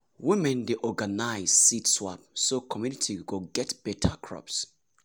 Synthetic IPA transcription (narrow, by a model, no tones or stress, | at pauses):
wimɛ̃ndeʔɔɡanaɪz̥sitswa̰p̚sokʰɔmjunitʰiɡoɡɛtb̥ɛtʰa̰kʰɹɔ̰ps